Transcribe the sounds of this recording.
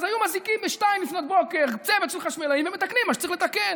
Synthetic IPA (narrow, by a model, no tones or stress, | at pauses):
zajumazikimbeʃtajimlifnot̪̚bokeʁt͡sevet̪siχaʃmelaimvemet̪aknimːaʃt͡saʁiχlet̪akel